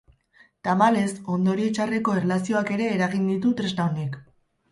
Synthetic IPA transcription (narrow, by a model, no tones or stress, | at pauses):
t̪amale̞so̞nd̪o̞ɾie̞t͡ʃare̞ko̞e̞rlasio̞ake̞ɾe̞ːɾaɣind̪it̪ut̪ɾeznaonek